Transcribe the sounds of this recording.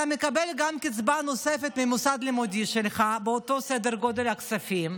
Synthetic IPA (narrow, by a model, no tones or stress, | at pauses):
amekabelɡamkit͡sbano̞sefet̪mimusad̪limud̪iʃelχabeot̪o̞sed̪eʁɡo̞d̪e̞lhaksafim